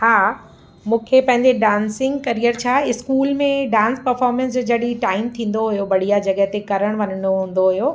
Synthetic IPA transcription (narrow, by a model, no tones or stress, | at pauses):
haː | mũːkʰepɐ̃ɦɪ̃ɲd͡ʑeɖãːnsɪ̃ŋɡkɐɾijəɾt͡ɕʰaːɪskuːlmẽɖãːnspɐɾfɔːɾmɛ̃ns̬d͡ʑod͡ʑɐɗiʈaːɪmt̪ʰĩːn̆d̪oɦujobɐɽ̤ijad͡ʑɐɠəɦt̪ekɐɾəɽ̃ʋɐnəɳoɦũːn̆d̪oɦʊjoː